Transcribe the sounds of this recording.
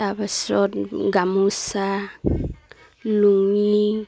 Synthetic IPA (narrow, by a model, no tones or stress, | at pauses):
abasotɡamusa | luŋi